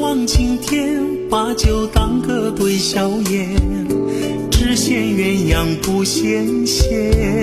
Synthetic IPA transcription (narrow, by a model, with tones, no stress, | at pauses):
wɑ˥˧ŋt͡ɕʰi˧˥ŋt̪ʰjɛ˥n | pa˧˥t͡ɕjo˨˩ʊt̪ɑ˥ŋkɤ˥˧t̪we˥˩ɪɕjɑ˧˥ʊjɛ˧˩n | ʈ͡ʂɻ̩˥ɕjɛ˥˧nɥɛ˧˥njɑ˨˩ŋpu˧˥ɕjɛ˥nɕjɛ˥˧